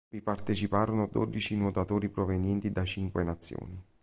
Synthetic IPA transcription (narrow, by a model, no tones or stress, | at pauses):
vipart̪et͡ʃipaːɾonʊad̪ːɔ̰d̪it͡ʃinot̪at̪oːɾipɾovenjɛnt̪id̪at͡ʃiŋkwenat̪sːjo̰ːni